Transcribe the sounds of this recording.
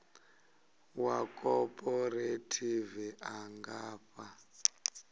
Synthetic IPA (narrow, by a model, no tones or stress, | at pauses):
wakʼɔpʼɔɾetʰiviʔaŋɡaːɸa